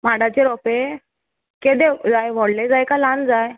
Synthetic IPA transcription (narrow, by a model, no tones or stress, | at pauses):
m̤aɽat͡ɕeɾɔpe | ked̪ed͡zajʋɔɽled͡zajkaland͡zaj